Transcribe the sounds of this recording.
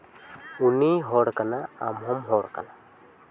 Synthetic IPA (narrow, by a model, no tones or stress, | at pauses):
uniɦɔɽkanaa̰mɦɔmɦɔɽka̰na